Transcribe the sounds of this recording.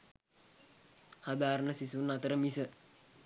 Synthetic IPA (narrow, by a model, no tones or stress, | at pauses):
had̪aːɾənəsisunat̪əɾəmisə